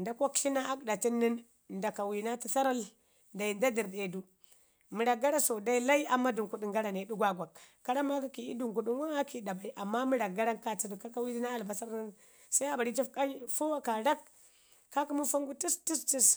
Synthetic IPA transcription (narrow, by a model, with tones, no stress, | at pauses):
nda˦ko˦kɬi˦na˦ʔa˦kɗa˨ti˦nːi˦n | nda˨ka˨wi˨na˦ti˦sa˦ɾa˦l | da˨i˨nda˦di˨ɾde˨du˦ | mi˨ɾa˨ɡa˦ɾa˦so˨da˦i˦la˦i˦a˨mːa˦du˨ku˨ɗi˨ŋɡa˦ɾa˨ne˨du˦ɡʷa˦ɡʷa˨kː | a˦ɾa˦ma˦ki˦ki˨i˦du˨ŋku˨ɗu˦nwa˦a˦ki˦˨da˨ba˨i˦ʔa˨mːa˦mi˦ɾa˨ɡa˦ɾa˦nka˨ti˨du˨ka˦ka˦wi˦di˦na˦a˨lba˨sa˦ɾna˦n | sa˦i˦a˨ba˨ɾi˦t͡ʃi˦fka˦ɲ˦fo˦a˦ka˨ɾa˦kː | a˦ku˦mu˦fa˦ŋɡu˦ti˦sti˦sti˦s